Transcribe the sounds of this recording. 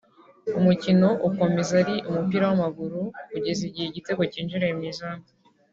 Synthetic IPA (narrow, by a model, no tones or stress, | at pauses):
umucino̞ʔuko̞me̞zaɾiʔumupiːɾawamaɡuɾukuɟe̞ziɟiheiɟite̞ɡo̞ciːnd͡ʒiɾejemɲiːzaːŋɡo